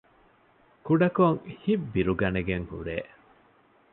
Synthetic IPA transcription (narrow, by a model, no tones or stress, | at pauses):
kuɖɐkoŋhibbiɾuɡɐneɡeŋhṵɾeː